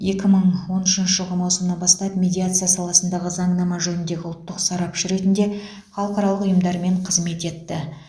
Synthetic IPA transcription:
je̞kʲɪməɴwo̞nʏʃɪnʃəʒəlˠʁəmɑwsəmənɑnbɑst̪ɑpmʲe̞d̪ʲijat̪sɨjasɑlˠɑsənd̪ɑʁəzɑɴnɑmɑʒɵnɪnd̪e̞ɡʲɪʊlˠt̪ːəqsɑɾɑpʃɪɾe̞t̪ɪnd̪e̞ | χɑlˠəqɑɾɑlˠəqʊjəmd̪ɑɾme̞ɴqʰəzme̞t̪e̞t̪ːɪ

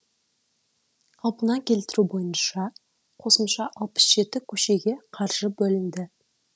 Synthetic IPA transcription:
ɑlˠpənɑkʲʰe̞lt̪ɪɾubo̞jənʃɑ | qʰo̞səmʃɑʔɑlˠpə̥sʒ̥e̞t̪ɪkʲʰɵʃe̞ɡʲe̞qʰɑɾʒ̥əbɵlɪnd̪ɪ

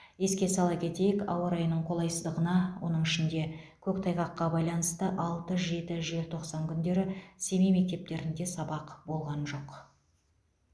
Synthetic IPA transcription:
je̞skʲe̞sɑlˠɑkʲʰe̞t̪e̞jɪkɑ̰wəɾɑjnəɴqʰo̞lˠɑjsəzd̪əʁənɑwo̞̰nəɴɪʃɪnd̪e̞kʲʰɵk̚t̪ʰɑjʁɑqːɑbɑjlˠɑnəst̪əʔɑlˠt̪əʒe̞t̪ɪʒe̞lɪt̪ʰo̞qsɑŋkʲʰʏnd̪e̞ɾɪse̞mejme̞k̚t̪e̞p̚t̪e̞ɾɪnd̪e̞sɑbɑqbo̞lˠʁɑnʒo̞q

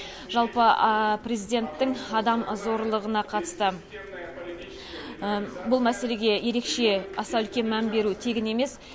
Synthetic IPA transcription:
ʒɑlˠpəpre̞zijd̪ʲe̞nt̪ːɪŋɑd̪ɑmzo̞ɾlˠəʁənɑqʰɑt̪ə̥st̪ə | bʊlˠmæse̞le̞ɡʲe̞je̞ɾe̞kʃe̞ɑsɑɵlkʲe̞nmænbe̞ɾut̪ʰe̞ɡʲɪne̞me̞s

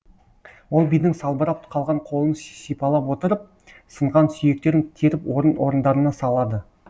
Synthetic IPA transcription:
wo̞lˠbijd̪ɪŋsɑlˠbəɾɑpqʰɑlˠʁɑɴqʰo̞lˠənssijpɑlˠɑpwo̞t̪əɾəp̚ | səɴʁɑnsʏje̞k̚t̪e̞ɾɪŋt̪ʲʰeɾɪpwo̞ɾənwo̞ɾənd̪ɑɾənɑsɑlˠɑd̪ə

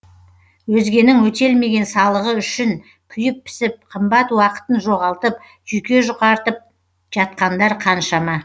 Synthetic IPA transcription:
wɵzɡʲe̞nɪŋwɵt̪e̞lme̞ɡʲe̞nsɑlˠəʁəʏʃɪŋ | kʲʰʏjɪpʰːɪ̥sɪp̚qʰəmbɑt̪wɑqə̥t̪ənʒo̞ʁɑlˠt̪əp̚ | ʒ̥ʏjkʲe̞ʒʊqɑɾt̪əp̚ | ʒ̥ɑt̪̚qɑnd̪ɑɾqʰɑnʃɑmɑ

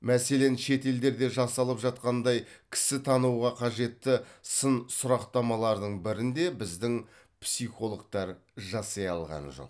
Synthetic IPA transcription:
mæse̞le̞nʃe̞t̪e̞ld̪e̞ɾd̪e̞ʒɑsɑlˠəpʒɑt̪qɑnd̪ɑjkʲʰɪ̥sɪt̪ʰɑnuwʁɑqʰɑʒe̞t̪ːɪsənsʊɾɑqt̪ɑmɑlˠɑɾd̪əɴbɪɾɪnd̪e̞bɪzd̪ɪŋ | psiχo̞lˠək̚t̪ɑɾ | ʒɑsɑjɑlˠʁɑ̰nʒo̞̰q

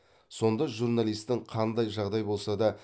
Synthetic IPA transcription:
so̞nd̪ɑʒurnalˠijst̪ɪŋqʰɑnd̪ɑjʒɑʁd̪ɑjbo̞lˠsɑd̪ɑ

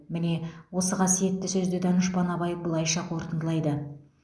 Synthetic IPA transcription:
mɪne̞wo̞səqʰɑsije̞t̪ːɪsɵzd̪ɪd̪ɑnəʃpɑnɑβɑjəp̚bəlˠɑjʃɑqʰo̞ɾt̪ənd̪əlˠɑjd̪ə

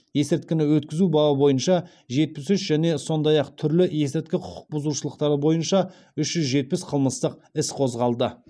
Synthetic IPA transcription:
je̞sɪɾt̪kʲɪnɪwɵt̪kʲɪzubɑlˠəbo̞jənʃɑ | ʒe̞t̪̚pɪsʏʃʒæne̞so̞nd̪ɑjɑqt̪ʰʏɾlɪje̞sɪɾt̪̚kʲɪqʰʊ̥qʰʊ̥q̚bʊzuʃəlˠəqt̪ɑɾəbo̞jənʃɑ | ʏʃʒ̥ʏzʒe̞t̪̚pɪsqʰəlˠməst̪əq̚ɪsqʰo̞zʁɑlˠd̪ə

